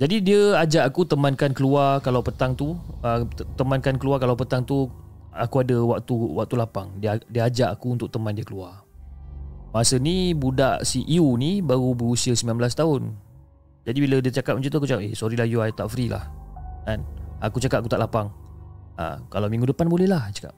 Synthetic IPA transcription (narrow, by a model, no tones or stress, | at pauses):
d͡ʒadidiəad͡ʒaʔakut̪əmankankəluarkalawpət̪aŋt̪uət̪əmankankəluarkalawpət̪aŋt̪u | akuadəwak̚t̪uwa̰k̚t̪ulapaŋdiədiəad͡ʒaʔakuunt̪ʊk̚t̪əmandiəkəluar | masənibudaʔsiʔiunibaɣubəɾusiəsəmbilanmbəlast̪aʊn | d͡ʒadibilədiət͡ʃakap̚mət͡ʃut̪uak̬ut͡ʃakaʔesoɾilajuat̪aʔfɾilʔa̰hkanakut͡ʃakap̚ak̬ut̪aʔlʔapaŋa̰kalawmĩŋɡudəpanbolɛhlaht͡ʃḁka̰p̚